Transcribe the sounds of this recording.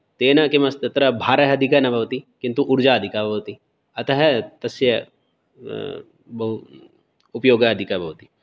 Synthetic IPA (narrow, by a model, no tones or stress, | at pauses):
t̪eːnɐkemɐst̪ɐt̪ɾɐbʱaːɾɐɦɐd̪ʱikɐnɐbʱɐʋt̪ikĩnt̪uʔuɾd͡ʒaːɐd̪ʱikabɐʋt̪i | ɐt̪ɐɦɐt̪ɐsjɐ | bɐɦu | upjoːɡɐɐd̪ʱikɐbʱɐʋt̪i